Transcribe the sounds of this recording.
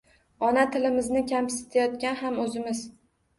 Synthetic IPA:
ɒnat̪ʰɪlɪmɪznɪkʲʰampsɪ̥t̪ʰajɒt̪̚kʲanhamɵzɪmɪz̥

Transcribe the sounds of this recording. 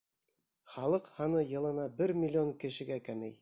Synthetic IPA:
χɑlˠɤqhɑnɤjɤ̆lˠɤ̆nɑbɘɾmʲɪlʲːoŋkɘ̆ʃɘ̆ɡækæmɘj

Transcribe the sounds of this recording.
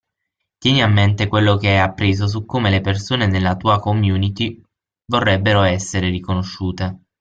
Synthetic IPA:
t̪jɛːniamːent̪ekwelːokeajapːɾeːzos̬ukːoːmelepersoːnenelːat̪uːakomjuːnit̪i | vorːɛbːeɾoɛsːeɾeɾikonoʃːuːt̪e

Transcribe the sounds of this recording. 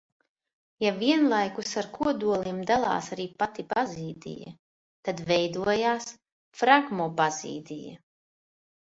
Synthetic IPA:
javiɛnlˠajkusaɾkuɔd̪uɔlˠimd̪alˠɑ̰ːsaɾiːpat̪ipaziːd̪ḭja̰ | t̪ad̪vɛjd̪uɔjaːs | fɾaɡmɔbazḭːd̪ḭja̰

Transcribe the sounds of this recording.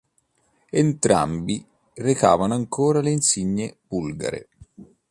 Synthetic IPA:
ent̪ɾa̰mbi | reka̰ːvanoaŋkoːɾaleinsiɲːeb̥ulɡa̰ɾḛ

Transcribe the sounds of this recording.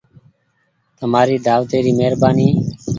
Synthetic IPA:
t̪əmaːɾiːd̪aːʋt̪eːɾiːmeːɾbaːniː

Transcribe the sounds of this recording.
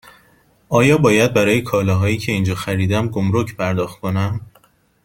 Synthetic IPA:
ɒːjɒːbɒːjæd̪̚bæɾɒːjekʰɒːlɒːɦɒːjiːcʰe̞iːnd͡ʒɒːxæɾiːd̪æmɡomɾocʰpʰæɾd̪ɒːxt̪̚kʰo̞næm

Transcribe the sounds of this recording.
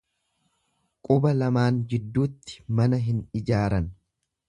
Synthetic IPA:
kʼʊbɐlɐmaːnd͡ʒɪd̪ːuːt̪ːɪ̥mɐnɐɦɪnɪd͡ʒaːɾɐn

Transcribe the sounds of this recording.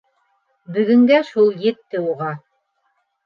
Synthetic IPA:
bɵ̆ɡɵ̆ŋɡæʃulˠjɘ̆t̪ːɘuʁɑ

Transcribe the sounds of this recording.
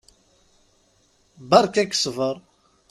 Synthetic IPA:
bɑɾˤkæksvəɾˤ

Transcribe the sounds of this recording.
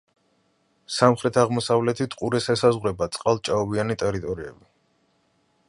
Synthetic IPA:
samχɾɛt̪ʰaʁmɔsavlɛt̪ʰit̪ʰqʼuɾɛsɛsazʁwɾɛbat̪sʼqʼalˠt͡ʃʼaɔbianit̪ʼɛɾit̪ʼɔɾiɛ̰bi

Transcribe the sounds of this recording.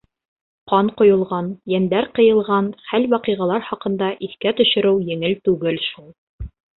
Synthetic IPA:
qɑnqŏjŏlˠʁɑnjænd̪æɾqɤ̆jɤ̆lˠʁɑnχælwɑqiʁɑlˠɑɾχɑqɤ̆nd̪ɑʔiθkæt̪ɵ̆ʃɘ̆ɾɘwjɘ̆ŋɘlt̪ʉɡɘlʃulˠ

